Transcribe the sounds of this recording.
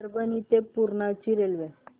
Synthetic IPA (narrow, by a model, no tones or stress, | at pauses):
ɾbənit̪epuɾɳat͡ɕiɾelʋe